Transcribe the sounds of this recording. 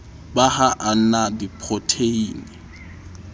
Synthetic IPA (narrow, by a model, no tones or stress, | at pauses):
bahaʔan̩nadipʰɔtʰeiːni